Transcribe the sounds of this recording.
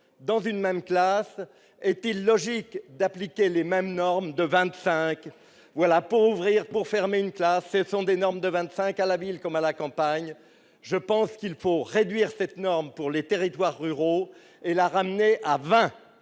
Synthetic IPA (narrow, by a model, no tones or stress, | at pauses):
d̪ɑ̃zynmɛmklas | ɛt̪ilːɔʒikd̪aplikʲelemɛmnɔʁmd̪əvɛ̃t̪sɛ̃k | vwalapuʁuvʁiʁpuʁfɛʁmeynklasːəsɔ̃d̪enɔʁmd̪əvɛ̃t̪sɛ̃kalavilkɔmalakɑ̃paɲ | ʒəpɑ̃skilfoʁed̪ɥiʁsɛt̪nɔʁmpuʁlet̪eʁit̪waʁːyʁo | elaʁamneʔavɛ̃